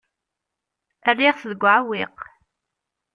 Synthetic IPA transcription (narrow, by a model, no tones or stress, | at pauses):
ərːiʁθəðəɡʷʕawɪq